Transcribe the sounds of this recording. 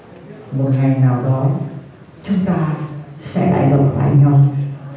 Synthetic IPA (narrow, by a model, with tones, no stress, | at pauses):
mo˨˩t̚ŋa˨˩jŋnaː˨˩wɗɔ˨˦ | t͡ɕʊ˨˦ŋ͡mt̪aː˧sɛ̰˧˥ɗa̰ː˧˨jɣə˨˩ta̰ː˧˨jɲa˧wŋ͡m